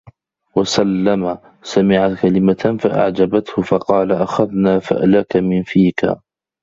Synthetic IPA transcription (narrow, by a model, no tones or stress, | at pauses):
wasalːama | samɪʕakalɪmaafaʔa̰ʕd͡ʒabat̪hʊfɑqɑːlaʔaxaðnaːfa̰ʔlakamɪnfiːka̰